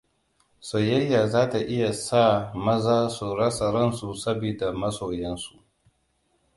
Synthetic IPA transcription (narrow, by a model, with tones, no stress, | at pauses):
soː˨jɐ˦jːaː˨zaː˦ta˨ʔɪ˦ja˨saː˦˨mɐ˦zaː˦su˨ɾɐ˦sɐ˨ɾɐ˦nsu˨sɐ˦biː˨da˨mɐ˦soː˨jɛ˦nsu˨ʔ